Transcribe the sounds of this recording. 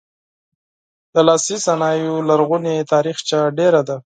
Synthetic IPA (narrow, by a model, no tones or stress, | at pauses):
d̪̥əlɑsisanɑjolaɾɣunet̪ɑɾixt͡ʃaɖeɾad̪a